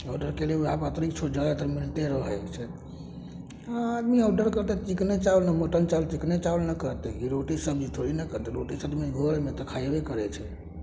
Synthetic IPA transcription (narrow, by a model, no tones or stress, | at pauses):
ɔɖəɾkeleeapət̪ɾikt͡ʃʰod͡ʒad̪at̪əɾmilt̪eɾəɦɛt͡ʃʰɛ | aad̪miɔɖəɾkəɾt̪ɛt̪iknet͡ʃaulnəmoʈənt͡ʃalt̪iknet͡ʃaulnəkəɾt̪ɛkiɾoʈisəbʱd͡ʒit̪ʰoɾinəkəɾt̪ɛɾoʈisəbmeɡʱəɾmet̪əkʰajbekəɾɛt͡ʃʰɛ